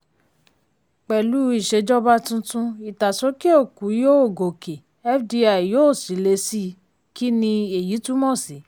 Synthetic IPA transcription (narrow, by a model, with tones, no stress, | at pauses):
k͡pɛ˨lu˨˦i˦˨ʃe˧d͡ʒɔ˦ba˧tũ˧tũ˧i˨ta˨so˨˦ki˦o˦˨ku˨˦jo˦o˦˨ɡo˨ke˨ | ɛ˦fdi˧˦a˨joː˦˨si˨˦le˧si˦ | ki˦nĩ˧e˨ji˨˦tu˦mɔ̃˦˨si˨˦